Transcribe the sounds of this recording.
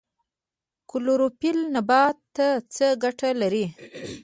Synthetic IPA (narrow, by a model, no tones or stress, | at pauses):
kʊloɾopilnabɑt̪ːat͡səɡaʈalaɾi